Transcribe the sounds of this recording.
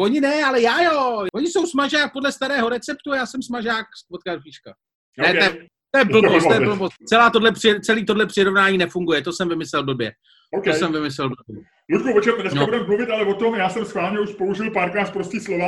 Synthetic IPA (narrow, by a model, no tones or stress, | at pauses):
o̞ɲɪnɛalɛjaːjovoɲɪsowsmaʒaːk̚podlɛst̪aɾɛːɦo̞ɾɛt͡sɛpt̪ujaːsɛmsmaʒaːkvot̪̚kaɾfiːʃka | nnɛt̪jɛ | t̪ojɛl̩osojɛbl̩bost͡sɛlaːt̪odlɛpr̥ɪt͡sɛliːt̪o̞dlɛpr̝̥ɪɾo̞vnaːɲiːnɛfuŋɡujɛt̪o̞sɛmvɪmɪslɛlvdobjɛ | okosɛmvɪmɪslɛlvdobjɛ | lut̪kovot͡ʃɛmnɛsnabudɛmmuvɪt̪alɛvot̪omjaːsɛmsxvaːlɲɛuʃpouʒɪlpaːɾkɾaːt̪pɾoscɪslova